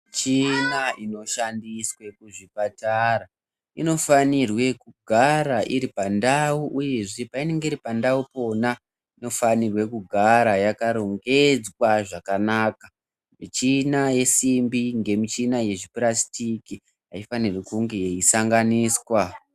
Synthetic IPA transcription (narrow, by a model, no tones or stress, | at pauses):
t͡ʃinaino̞ʃandiswe̞kuʐipataɾa | ino̞fanirwe̞kuɡʱaɾaʔiɾipandauʔuje̞ʐe̞paine̞ŋɡeiɾipandaupo̞na | ino̞fanirwe̞kuɡʱaɾajakaɾo̞ŋɡe̞d͡zwaʐakanaːka | mit͡ʃinaje̞simbiŋɡe̞mit͡ʃinaje̞ʐiprasi̥tiki | ɦa̰ifanirwekuŋɡe̞jeisaŋɡaniːswa